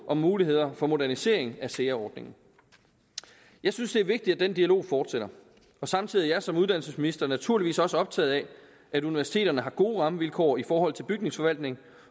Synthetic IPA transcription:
ʔɒ̽mːuːliɦe̝ð̞̰ˠɐfɒ̽mo̝dæɐnise̝̰ɐ̰e̝ŋæseːɐɒːd̥ne̝ŋn̩ | jɑ̈ɪsynsd̥e̝ɐʋe̝ɡ̥̚d̥id̥æd̥end̥iælo̝̰ːfɒːd̥seɾ̥ɐ | ɒ̽sɑ̈mt͡sʰiðˠijɑ̈ɪsɒ̽muð̞ˠd̥ænl̩səsminisd̥ɐnæt͡sʰuɐliʋḭːsɒ̽səɒ̽b̥̚t͡sʰɛ̰ːð̞̩ˠɛ | æɾuniʋæɐsi̥t͡sʰe̝̰ːdɐnəɦɑ̈ɡ̥o̝ːʁɑ̈məʋilkʰɒ̰ːifɒːɦɒ̽l̰ˠt͡sʰe̝lb̥yɡ̥ne̝ŋsfɒ̽ʋæl̰d̥ne̝ŋ

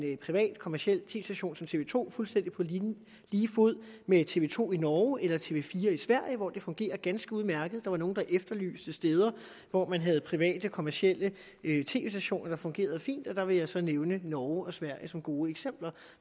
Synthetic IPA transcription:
npʰʁiʋɛ̰ːd̥kʰɒ̽mæɐɕiel̰t͡sʰe̝ːesd̥æɕo̝̰ːnsɒ̽mt͡sʰe̝ʋe̝̰ːt͡sʰo̝̰ːfulsd̥en̰d̥ipʰɒ̽ | liːfuð̰ˠmet͡sʰe̝ʋe̝ːt͡sʰo̝̰ːinɒːʊelɐt͡sʰe̝ʋe̝fiːɐisʋæɐ̰jəʋɒd̥e̝fɔ̽ŋɡ̥e̝̰ːɐɡ̥ænsɡ̥əuðˠmæɐɡ̥ð̩ˠd̥ɑ̈ʋɑ̈no̝ːn̩d̥ɑ̈ʔefd̥ɐly̰ːsd̥əsd̥eːð̞ˠɐ | ʋɒmænɦæð̞̩ˠpʰʁiʋɛ̰ːd̥əkʰɒ̽mæɐɕiel̰ə | øt͡sʰe̝̰ːʋesd̥æɕo̝̰ːnɐd̥ɑ̈fɔ̽ŋɡ̥e̝̰ːɐð̞̩ˠfḭːnd̥ɒ̽d̥ɑ̈ʋe̝jɑ̈ɪsɒ̽neʊnənɒːʊɒ̽sʋæɐ̰jəsɒ̽mɡ̥o̝ːeɡ̥sem̰b̥lɐ

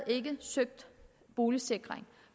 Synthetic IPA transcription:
e̝ɡ̥əsøɡ̥̚d̥ | b̥o̝ːləse̝ɡ̥ʁeŋ

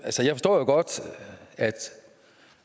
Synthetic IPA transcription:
ælsəjɑ̈ɪfɒsd̥ɔ̰ːjoɡ̥ɒd̥æd̥

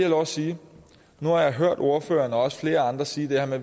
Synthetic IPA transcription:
ælɒʊ̰siː | nuhɑ̈jɑ̈ɪɦøɐ̰d̥o̝ɐfø̰ːɐnɒ̽ɒ̽sə̥fle̝ːɐɑ̈nd̥ʁɐsiːd̥e̝hæɐme

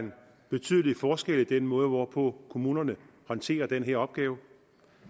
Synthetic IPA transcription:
n | b̥e̝t͡sʰy̰ð̞ˠəli̥fɒːsɡ̥elid̥enmɔ̽ːð̞ˠəʋɒpʰɔ̽kʰo̝muːnɐnəhɒ̽nt͡sʰe̝̰ːɐd̥enɦeɐ̰ɒ̽b̥ɡ̥ɛːʊ

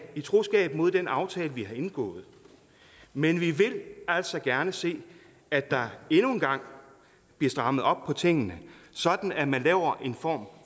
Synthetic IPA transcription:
it͡sʰʁo̝sɡ̥ɛ̰ːb̥̚mo̝ð̞̰̥ˠenɑ̈ʊt͡sʰɛːləʋihɑ̈e̝nɡ̥ɔ̰̽ːð̞̩ˠ | menʋiʋe̝læl̰sɒ̽ɡ̥æɐnəse̝̰ː | æd̥ɑ̈e̝nuenɡ̥ɑ̈ŋ̰ | b̥liɐd̥ʁɑ̈məð̩ˠɒ̽b̥̚pʰɒ̽t͡sʰe̝ŋ̰ənəsɒ̽d̥n̩æmænlɛ̰ːʊ̰ɐʔe̝nfɒ̰ːm

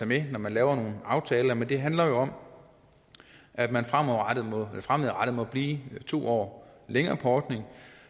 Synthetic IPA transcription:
ɑ̈ɪmenɒmænlɛːʊɐno̝ːn̩ɑ̈ʊt͡sʰɛːlɐmend̥e̝ɦænlɐjo̝ɒ̽m | ʔæd̥mænfʁamɒad̥ð̩ˠmɔelɐfʁameð̩ˠʁaɾ̥ð̩ˠmɒ̽b̥liːt͡sʰo̝̰ːɒ̰ːleŋɐːpʰɒ̽ɒːd̥ne̝ŋ

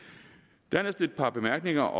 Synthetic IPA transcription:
d̥ænɐsd̥ed̥̚pʰɑ̈b̥e̝mæɐɡ̥ne̝ŋɐʔɒ̽

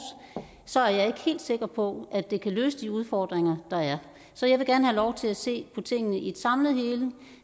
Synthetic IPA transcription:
s | sɒ̽æɐjɑ̈ɪe̝ɡ̥ə̥he̝̰ːld̥se̝ɡ̥ɐpʰɒ̽ʔæd̥e̝kʰælø̰ːsəd̥iuðˠfɒːd̥ʁeŋɐd̥ɑ̈æɐ | sɒ̽jɑ̈ɪʋe̝ɡ̥æɐnəhælɒʊt͡sʰe̝læse̝̰ːpʰɒ̽t͡sʰe̝ŋ̰ənəʔied̥sɑ̈mləð̩ˠhe̝ːlə

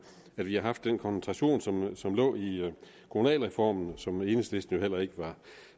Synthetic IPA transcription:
æd̥ʋihɑ̈ɦɑ̈fd̥ːenkʰɒnsn̩t͡sʰʁɑɕo̝̰ːnsɒ̽msɒ̽mlɔ̰̽ːi | kʰomunɛ̰ːlʁɛfɒ̰ːmn̩sɒ̽me̝ːnəsd̥e̝sd̥n̩jo̝hel̰ɐe̝ɡ̥əʋɑ̈

